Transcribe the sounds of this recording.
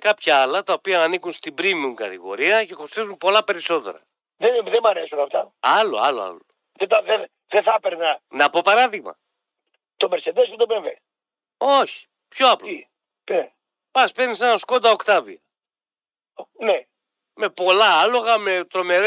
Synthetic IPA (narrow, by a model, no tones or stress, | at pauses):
kɐpçɐɐlɐt̪ɐopiɐːnikunst̪ibɾimiuŋkɐt̪iɣo̞̰ɾiɐce̞ko̞st̪izumpo̞lɐpe̞ɾiso̞t̪e̞̰ɾɐ̰ | ðeðemɐɾesunɐft̪ɐɐlo̞̰ɐloɐ̰lo | ðet̪ɐðe | ðeθɐpeɾnɐnɐpo̞pɐɾɐðiɣmɐ̰ | t̪omeɾsed̪esud̪obeve | oçi̥ | pço̞ɐpl | e | pɐspeɾnisenɐsko̞nd̪ɐokt̪ɐvḭɐ | ne | me̞po̞lɐɐlo̞ɣɐme̞t̪ɾo̞me̞ɾ